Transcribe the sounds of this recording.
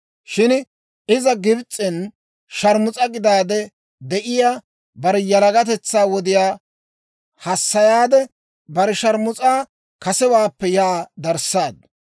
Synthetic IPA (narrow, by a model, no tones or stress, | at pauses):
ʃɪn | ɪzɐɡɪbt͡sʼːɪn | ʃɐɾmʊt͡sʼɐɡɪd̪aːd̪ɛ | d̪ɛʔɪjaː | bɐɾɛjɐlɐɡɐt̪̬ɛt͡sːaːwɔd̪ɪjaː | hɐsːɐjaːd̪ɛ | bɐɾɛʃɐɾmʊt͡sʼaː | kɐsɛwaːpːɛjaːd̪ɐɾsːaːd̪̚